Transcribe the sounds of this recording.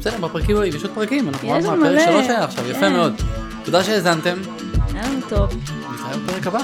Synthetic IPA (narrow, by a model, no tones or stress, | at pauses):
besedebapʁakimoimjɛʃod̪̚pʁakimanaχnumapeʁekkaloʃajaːχʃavjafemeo̞d̪ | tod̪aʃeːzant̪e̞m | anut̪ov | nitajabepeʁekaba